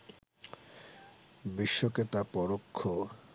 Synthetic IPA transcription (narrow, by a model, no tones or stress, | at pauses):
biʃːoket̪apɔɾokʰːo